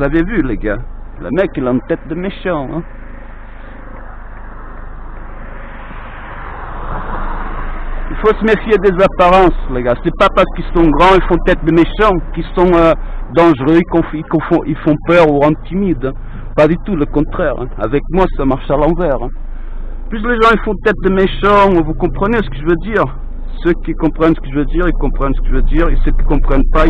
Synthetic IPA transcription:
uzavɛvyleɡalə̰mɛkɛlɑ̃t̪ɛt̪̚d̪əmeʃɑ̃ɛ̃ | ilfosəmefjed̪ezapaʁɑ̃sleɡasɛpapaʁsə̥kilsɔ̃ɡʁɑ̃ilfɔ̃t̪ɛt̪̚d̪əmeʃɑ̃kisɔ̃ød̪ɑ̃ʒʁøikõfikõfɔ̃ʔilfɔ̃pœʁuɑ̃t̪imid̪ | pad̪yt̪uləkɔ̃t̪χɛʁa̰vɛk̚mwasamaʁʃalɑ̃vɛʁ | pysleʒɑ̃ifɔ̃t̪ɛt̪̚d̪əmeʃɑ̃uvukɔ̃pχənesə̥kəʒvød̪iʁ | søkikõpχɛ̃nsə̥kəʒəvød̪iʁilkõpχɛ̃nsə̥kəʒvød̪iʁesøki̥kõpχɛ̃npa

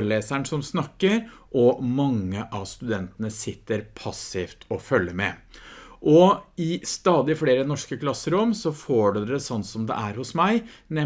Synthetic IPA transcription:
ɾleːsæɳsɔmsnɑkːəɾʔɔmɑŋːəʔɑʋst̪ʉd̪ɛnt̪ənəsɪt̪ːəɾpʰɑsɪft̪ʰɔfœlːəmɛ̰ | ʔɔɪst̪ɑːd̪ɪfleːɾənɔʂkəkʰlɑsːəɾɔmsɔfoːɖʉd̪ɛsɔnt̪sɔmd̪ɛ̰ʔæɾhʊsmæɪnɛ

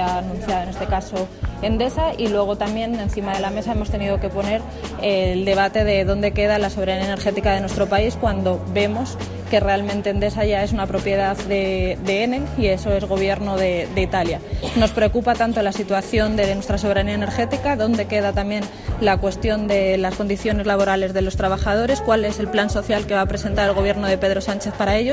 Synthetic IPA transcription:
aːnũn̟θjaðonest̪e̞kaso̞e̞nd̪e̞sailwe̞ɣ̞o̞t̪amje̞ne̞nθimaðe̞lame̞sae̞mo̞st̪e̞niðo̞ke̞po̞ne̞ɾ | eld̪e̞β̞at̪e̞ðe̞ðo̞nd̪e̞ke̞ð̞alasoβe̞ɾaniene̞ɾxe̞t̪ikaðe̞nwet̪ɾopaiskwand̪o̞be̞mo̞s | ke̞re̞almẽnt̪eːnd̪e̞saʝae̞sunapɾo̞pje̞ðaððe̞d̪eene̞ie̞so̞e̞zɣo̞β̞je̞ɾno̞ðe̞d̪e̞it̪aljano̞spɾe̞o̞kupat̪ant̪o̞lasit̪waθjo̞nd̪e̞nwe̞st̪ɾas̬o̞βeɾaniaene̞ɾxe̞t̪ikaðo̞nd̪e̞ke̞ð̞at̪amjẽ̞n | lakwe̞st̪jo̞nd̪e̞lasko̞nd̪iθjo̞ne̞zlaβ̞o̞ɾale̞zðe̞lo̞st̪ɾaβ̞axað̞o̞ɾe̞skwale̞se̞lplanso̞θjalke̞βaːpɾese̞nt̪aɾelɣ̞o̞β̞je̞ɾno̞ð̞e̞pe̞ðɾo̞sant͡ʃe̞θpaɾae̞ʎo

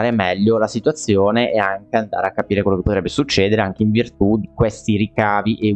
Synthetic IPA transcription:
ɾemɛʎːolasit̪wat̪sːjoːneʔɛaŋkeand̪a̰ːɾeakːapiːɾekwelokepːot̪ɾɛbːesut͡ʃːɛːd̪eɾeaŋk̟eiɱvirt̪ud̪ikwest̪iɾikaːviʔe

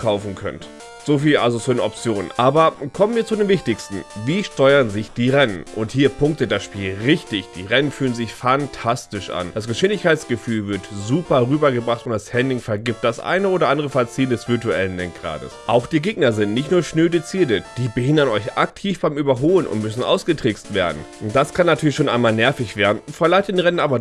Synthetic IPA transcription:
kʰaʊfn̩kʰœ̰nt | z̥oːfiːlʔa̰lzosuɪnɔp̚t͡sjoːnənʔaːbɐkʰɔmənviːɐt͡sudeːmvɪçtɪçstn̩viːʃtɔʏɐənzɪçd̥iːʁɛnənʔʊnthiːɐpʰʊŋk̚təd̥asʃpiːlʁɪçtɪçd̥iːʁɛnənfyːlənzɪçfantʰastɪʃʔa̰nd̥asɡ̥əʃɪndɪçkʰaɪtt͡sɡ̥əfyːlvɪɐtzuːpɐʁyːbɐɡəbʁaχtʊntd̥ashɛndɪŋfɛɐɡɪp̚t̚d̥asʔa̰ɪnəoːdɐʔandəʁəfɛɐt͡siːəndɛsv̥ɪɐtuɛlənlɛŋk̚ɡ̥ʁa̰ːdə̰sʔaʊxd̥iːɐɡeːɡ̚nɐzɪntnɪçtnuːɐʃnøːdet͡siːɐtəd̥iːbəhɪndɐnɔʏçʔak̚tʰiːfb̥aɪmyːbɐɦoːlənʔʊ̰ntmʏsn̩ʔa̰ʊsɡ̥ətʁ̥ɪkstv̥eːɐdn̩ʔʊn̚d̥askʰanːatʰyːɐlɪçʃoːnʔaɪnmaːlnɛɐfɪçv̥eːɐdn̩fɛɐlaɪtənʁɛnənʔaːbɐ

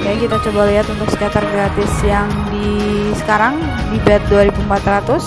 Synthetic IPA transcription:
jajikit̪at͡ʃobaliɦat̪unt̪ʊksə̥kjat̪arɡɾat̪ɪsjaŋdisə̥kaɾaŋ | dibat̪̚duaɾibumpat̪rat̪ʊs

